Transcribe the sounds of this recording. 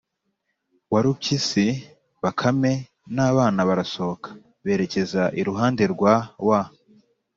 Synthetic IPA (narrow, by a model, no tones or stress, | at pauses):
waɾub̚cisi | βakʰame̞ | naːβaːnaβaɾasookʰḁ | βe̞ːɾe̞ce̞zaʔiɾuɦaːndeɾɡwawa